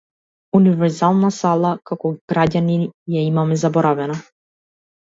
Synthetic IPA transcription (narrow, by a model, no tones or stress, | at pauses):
univɛɾzalˠnasalˠakakɔɡ̥ɾaɟanijaimamɛzabɔɾavɛna